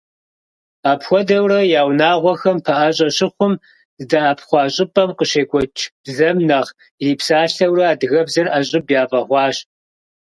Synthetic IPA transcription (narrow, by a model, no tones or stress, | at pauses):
aːpʰxʷɔdɐwrɐjaːwnaːʁʷɔxɐmpʰɐʔaɕʼɐɕɪχʷʊm | zɨdɐaːpʰχʷɑːɕʼɪpʼɐmqəɕeːkʷʼɔt͡ʃʰb̥zɐmnɐʁ | riːpʰsaːɬɐwrɐaːdɨɣɐbzɐrʔaɕʼɪbjaːpʼɐʁʷɑːɕ